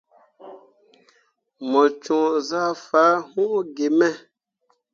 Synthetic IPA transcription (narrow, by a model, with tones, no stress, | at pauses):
mɔ̃˨t͡ʃũ˨za˦faː˨˦hũ˦ʔɡe˨mɛ̃˦˨